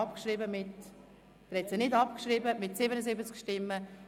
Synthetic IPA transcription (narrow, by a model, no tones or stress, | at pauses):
ɑpkʃɾɪbəmɪt | d̥̪ɾɛt͡sənɪdɑpkʃɾibəmɪtsɪbənəzɪbət͡skʃtɪmːə